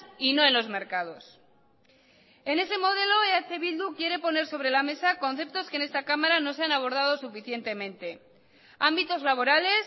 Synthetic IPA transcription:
ino̞e̞nlo̞zme̞ɾkað̞o̞s | e̞ne̞se̞mo̞ðe̞lo̞eaθeβild̪ukje̞ɾe̞po̞ne̞ɾso̞β̞ɾe̞lame̞sako̞nθe̞p̚t̪o̞skeːne̞st̪akamaɾano̞se̞anaβ̞o̞ɾð̞að̞o̞sufiθje̞nt̪e̞mẽ̞nt̪e̞ | ambit̪o̞zlaβ̞o̞ɾale̞s

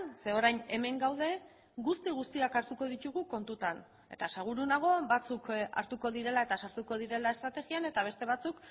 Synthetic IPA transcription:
nse̞o̞ɾajne̞me̞ŋɡawð̞e̞ | ɡust̪iɣ̞ust̪iakaɾt̪uko̞ðit̪uɣ̞uko̞nt̪ut̪an | e̞̰t̪ase̞ɣ̞uɾunaɣ̞o̞bat͡suka̰ɾt̪uko̞ðiɾe̞lae̞t̪asaɾt̪uko̞ð̞iɾe̞lae̞st̪ɾat̪e̞ɣiane̞t̪aβ̞e̞st̪e̞β̞at͡suk

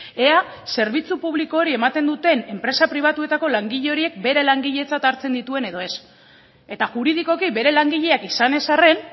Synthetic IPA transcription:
e̞a | se̞ɾβ̞it͡supuβ̞liko̞ːɾie̞mat̪e̞nd̪ut̪e̞ne̞mpɾe̞sapɾiβ̞at̪ue̞t̪ako̞laŋɡiʎeo̞ɾie̞k̚be̞ɾe̞laŋɡiʎe̞t͡sat̪aɾt͡se̞nd̪it̪ue̞ne̞ðo̞e̞s | e̞t̪aʝuɾið̞iko̞kiβe̞ɾe̞laŋɡiʎe̞akisane̞sare̞n

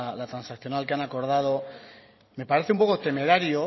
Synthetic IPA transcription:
lat̪ɾansakθjo̞nalkeanako̞ɾð̞að̞o̞ | me̞paɾe̞θeumpo̞ko̞t̪e̞me̞ɾaɾjo

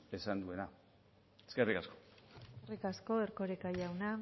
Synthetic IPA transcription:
e̞sand̪ue̞na | eskerikasko̞̥serikasko̞eɾko̞ɾekajawna

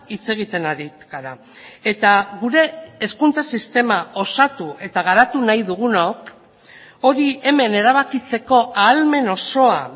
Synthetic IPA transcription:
it͡se̞ɣ̞it̪e̞naɾi | ɡaɾa | e̞t̪aɣuɾe̞ːskunt͡sasist̪e̞mao̞sat̪uʔe̞t̪aɣ̞aɾat̪unajðuɣunok | o̞ɾie̞me̞ne̞ɾaβ̞akit͡se̞ko̞ʔaːlme̞no̞so̞a

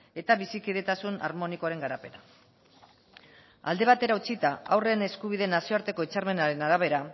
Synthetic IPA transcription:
e̞t̪aβisikið̞e̞t̪asuna̰ɾmo̞niko̞aɾe̞ŋɡaɾape̞na | a̰ld̪e̞β̞at̪e̞ɾaut͡sit̪aa̰wre̞ne̞skuβ̞iðe̞nasio̞aɾt̪e̞ko̞it͡saɾme̞naɾe̞naɾaβ̞e̞ɾa

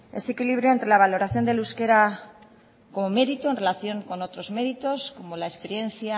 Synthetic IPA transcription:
ese̞kiliβ̞ɾjont̪ɾe̞laβ̞alo̞ɾaθjo̞nd̪e̞luske̞ɾa | ko̞mo̞me̞ɾit̪oe̞nre̞laθjo̞ŋko̞no̞t̪ɾo̞zmeɾit̪o̞sko̞mo̞laespe̞ɾje̞n̟θja

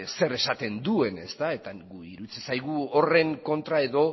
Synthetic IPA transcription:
se̞ɾe̞sat̪e̞nd̪ue̞ne̞st̪ae̞t̪aɡuiɾuðit͡sesajɣ̞uore̞ŋko̞nt̪ɾae̞ðo̞

